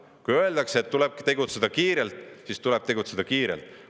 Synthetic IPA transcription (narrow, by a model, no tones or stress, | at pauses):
kujø̞eld̪ɑkseet̪ːule̞b̥̚t̪e̞ɡut̪sed̪̥ɑkiːɾelt̪ˑsist̪uleb̥̚t̪e̞ɡut̪se̞d̪̥ɑkiːɾḛlt̪ˑ